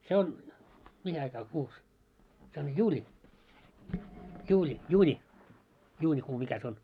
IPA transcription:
se on mihi ɑikɑː kuːs se on juːlʲi juːlʲi juːnʲi juːnʲikuː mikæ sĕ on

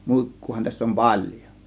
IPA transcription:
muˑikːuːhɑ tæsː om pɑlʲjo

